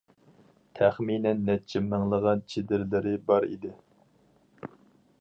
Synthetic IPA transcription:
t̪ʰæχminɛnːɛt͡ʃʰːimɪŋlˠəʁɑnt͡ʃʰed̪ɪɾlɪɾɪbɑɾḭd̪ɪ

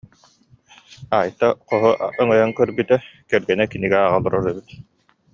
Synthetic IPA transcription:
aːjt̪aqɔɦɔʔœŋœjaŋkœɾbyt̪ɛkɛɾɡɛnɛkiniɡɛaːʁalˠuɾɔɾɛbit̪

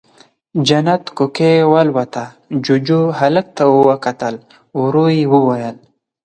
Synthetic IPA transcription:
d͡ʒanat̪kukewalwat̪a | d͡ʒud͡ʒuɦalək̚t̪auwəkat̪əl | uɾujiwəwajəl

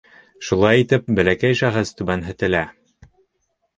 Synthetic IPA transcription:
ʃulˠɑjit̪ɘp̚bæ̆lækæjʃæχɘst̪ʉbænɦɘ̆t̪ɘ̆læ

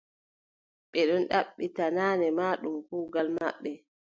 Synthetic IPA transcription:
ɓɛɗɔnɗaɓːitanaːnɛmaːɗumkuːɡalma̰ɓːɛ

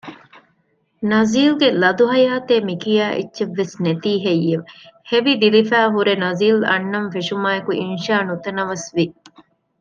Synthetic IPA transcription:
nɐziːlɡelɐd̪uɦɐjaːt̪eːmikijaːʔḭtːʃeʋːesnet̪iːɦejːeʋheʋid̪ilifæːɦuɾenɐziːlɐ̰nːɐɱfeʃumaːekuʔinʃaːnut̪ɐnɐʋɐsʋi

